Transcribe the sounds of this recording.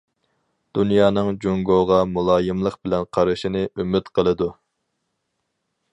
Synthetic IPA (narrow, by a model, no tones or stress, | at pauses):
d̪̥unjɑːnɨŋd͡ʒoŋɡoʁɑmulˠɑːjɨmlˠəqbɪlɛnqʰɑɾɨʃinɨʔymyt̪qʰəlˠɨd̪u